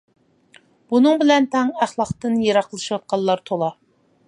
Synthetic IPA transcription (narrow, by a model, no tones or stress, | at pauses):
b̥unɨŋbɪlɛnt̪ʰɛŋæχlˠɑχt̪ɨnjeɾɑqlˠɨʃwɑt̪̚qʰɑlˠlːˠɑɾt̪ʰolˠɑ